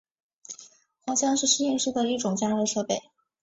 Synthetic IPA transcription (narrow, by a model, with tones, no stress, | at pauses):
xwɑ˥ŋɕjɑ˥ŋʂɻ̩˥˩˧ʂ̩˥i˥˧nʂɻ̩˥d̪ə˨i˥˩ʈ͡ʂʊ˨˩ŋt͡ɕja˥ɻʂɤ˥pe˥˩ɪ